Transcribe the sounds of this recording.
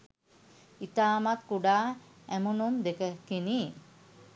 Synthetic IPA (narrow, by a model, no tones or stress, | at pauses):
it̪aːmat̪kuɖaː | æmunumd̪ekəkiniː